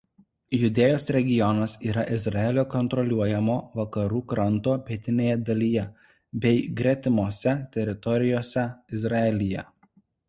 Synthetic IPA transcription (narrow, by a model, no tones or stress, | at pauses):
jʊd̪ʲeːjoːsɾʲɛɡʲɪjɔnɐsiːɾɐʔɪzɾɑɛːlʲoːkɔnt̪ɾɔlʲuɔjɛmoːʋɐkɐɾuːkɾɐnt̪oːpʲɛt̪ʲɪnʲeːjɛd̪ɐlʲiːjɛ | bʲɛɪɡɾʲɛt̪ʲɪmoːsʲɛt̪ʲɛɾʲɪt̪ɔɾʲɪjoːsʲɛɪzɾɐɛlʲɪjɛ